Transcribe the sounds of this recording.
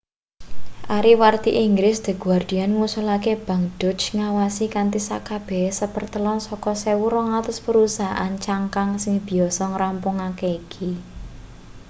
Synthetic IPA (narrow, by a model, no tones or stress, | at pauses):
ʔaɾiwart̪iʔiŋɡɾɪsd̪̥ə̤ɡ̥uward̪̥i̤anŋusɔlakeb̥ä̤ŋɖ̥ɔ̤t͡ʃŋawasikant̪isa̰kab̥ɛhsəpərt̪əlɔnsɔkɔsewuɾɔŋat̪ʊspəɾusaɦʔa̰nt͡ʃaŋkaŋsɪŋb̥i̤ɔsɔŋəɾampʊŋakeikʰi